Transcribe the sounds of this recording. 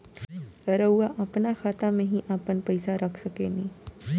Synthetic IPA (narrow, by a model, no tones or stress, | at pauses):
ɾəwaʔɐpnaxaːt̪amẽɦiʔaːpənpɐɪsaɾɐkʰsɐkenĩː